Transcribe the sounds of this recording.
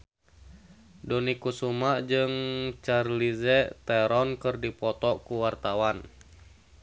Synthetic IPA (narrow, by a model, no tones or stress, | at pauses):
dɔnikusumaʔd͡ʒɨŋt͡ʃarlizɛt̪ɛɾɔnkɨrdipɔt̪ɔkuwart̪awan